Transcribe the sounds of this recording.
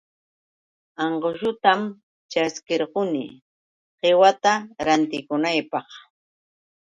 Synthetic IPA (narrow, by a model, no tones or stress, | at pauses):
ɑɴɢoʃʊt̪am | t͡ʃaskɪɾɢʊnɪ̰ | ɢewat̪aɾant̪ɪkʊnajpɑχ